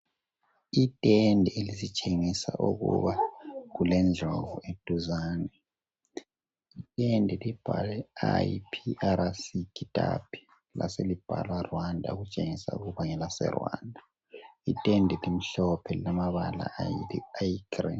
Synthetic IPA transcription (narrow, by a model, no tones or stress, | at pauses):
itʼendʱielisit͡ʃʼeŋisaʔuɣṵβaɣulɛnd͡ɮʱovued̥ʱʼuzaːnɛ | itʼendʱɛlib̥ʱalɛajipʰiʔaɾasikʰʼitʼapʰi̥ | la̰selib̥ʱa̰lwarwandʱauɣut͡ʃʼeŋisa̰ṵɣuβaŋɛlasɛ̰rwa̰ndʱa | itʼendʱɛlim̩ɬɔpʰɛlilamaβala̰ajiɡri